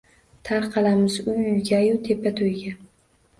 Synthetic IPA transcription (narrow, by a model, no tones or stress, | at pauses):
t̪ʰaɾqʰɑlˠamɪzʊjʊjɡʲajʊt̪ʰe̞pːat̪ʰojɡʲa